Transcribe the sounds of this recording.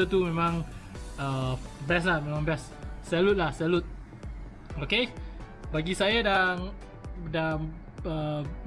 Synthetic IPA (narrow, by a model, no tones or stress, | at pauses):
ət̪umẽmãŋəbɛslahmẽmãŋbɛsː | ɛlʊt̪̚lahsɛlʊt̪̚ | oke | baɡisajadaŋ | daŋ | ə